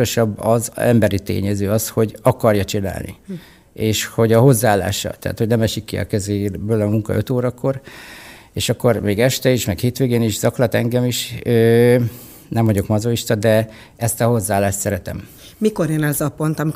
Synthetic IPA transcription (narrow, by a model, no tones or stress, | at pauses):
oʃɒbːɒzɛ̰mbɛɾit̪ḛːɲɛzøːɒsho̞ɟɒkɒrjɒt͡ʃina̰ːlnḭ | eːʃho̞ɟɒɦo̞zːaːlːa̰ːʃɒ̰lt̪ɛ̰a̰ːt̪ho̞ɟnɛmɛʃikːiɒ̰kɛzeːbøːlɒmuŋkɒ̰ʔøt̪oːɾɒko̞r | eːʃɒkːo̞rmeːɡɛʃt̪ɛiʃmɛkheːt̪ʋeːɡeːniʃz̥ɒklɒt̪ɛŋɡɛmiʃøː | nɛɱvɒɟo̞kmɒzoiʃt̪ɒd̪ɛ | ɛst̪ɒho̞zːaːlːaːʃt̪sɛɾɛt̪ɛ̰m | miko̞ɾjenɛzɒpo̞nt̪ɒmi